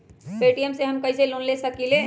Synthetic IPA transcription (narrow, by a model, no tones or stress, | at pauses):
peːʈijəmseɦɐmkɐiselonlesɐkileɦ